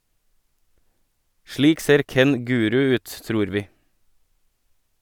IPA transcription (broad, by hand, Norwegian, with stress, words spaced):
ˈʃɭiːk ˈseːɾ ˈkɛn ˈɡʉːɾʉ ˈʉːt ˈtɾuːɾ ˈʋiː